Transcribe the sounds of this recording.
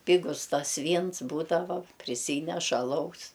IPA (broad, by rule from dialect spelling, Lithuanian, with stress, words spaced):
ˈpʲɪɡʊs ˈtɐs ˈʋʲiːns ˈbuːdɐʋɐ pʲrʲɪˈsʲiːnʲɛʃ ɐˈlˠɐʊs